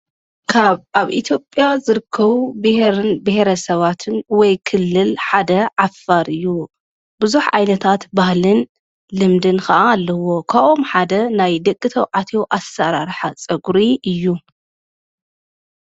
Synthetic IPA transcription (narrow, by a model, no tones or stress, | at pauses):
kʰaβaβʔit̪ʰjo̞pʼːjazɨɾɨkʰːɐβubɨhɾɨnbɨheɾɐsɐβat̪ʰɨnwɔjkʰɨlːɨlħad̪ɐʕafaɾɨjːu | bɨzuħʕajnɐt̪ʰat̪bahlɨn | lɨmd̪ɨnkʰɐʔaːlːɐwo̞kʰaβʔomħad̪ɐnajd̪ɐkʼːɨt̪ʰɐwʕat̪ʰewʔasːɐɾaɾħat͡sʼɐɡɾiʔɨjːu